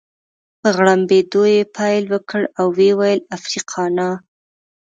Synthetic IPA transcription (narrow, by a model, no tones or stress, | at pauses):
pəɣɽambed̪ojepʰɑjlwəkəɽawːewajəlafɾiqʰɑnɑ